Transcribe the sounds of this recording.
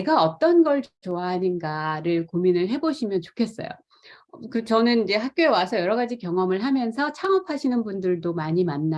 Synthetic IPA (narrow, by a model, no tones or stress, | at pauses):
eɡaʌt͈ʌnɡʌɭt͡ɕt͡ɕoaɦaɲinɡaɾɯɭkominɯɭɦe̞boɕʰimjʌnt͡ɕo̥kʰe̞s͈ʌ̰jo̰ | kɯt͡ɕʌnɯnid͡ʑe̞ɦak̚k͈joe̞wasʰʌjʌɾʌɡad͡ʑikjʌŋʌmɯɭɦamjʌnsʰʌt͡ɕʰaŋʌpʰaɕʰinɯnbundɯɭdomaɲimanːa